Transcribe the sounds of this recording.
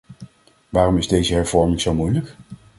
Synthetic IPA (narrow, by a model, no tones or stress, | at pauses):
ʋaːrɔmɪzdejzəɦɛɹv̥ɔɹmɪŋzowmujlək